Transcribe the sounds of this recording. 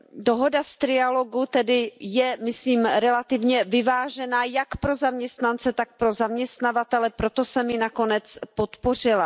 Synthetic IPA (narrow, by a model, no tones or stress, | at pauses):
doɦo̞dast̪ɾɪalo̞ɡut̪ɛdɪjɛmɪsliːmɾɛlat̪ɪvɲɛvɪvaːʒɛnaːjakpɾo̞zamɲɛst̪nant͡sɛt̪ak̚pɾo̞zamɲɛst̪navat̪ɛlɛpɾo̞t̪o̞sɛmjɪnako̞nɛt͡spo̞t̪po̞r̝ɪla